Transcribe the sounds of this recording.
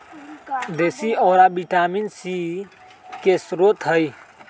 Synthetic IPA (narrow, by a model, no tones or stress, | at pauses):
d̪eːsiɔːɾabiʈaːminsi | kesɾot̪ɦəj